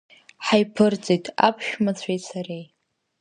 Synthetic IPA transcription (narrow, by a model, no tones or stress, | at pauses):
ħajpʰɨrt͡sʼijtʰʼa̰pʰʃᶣmat͡sʷʰejtsaɾej